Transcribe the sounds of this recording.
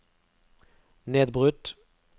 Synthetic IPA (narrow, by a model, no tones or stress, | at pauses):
neːd̪̚bʁʉt̪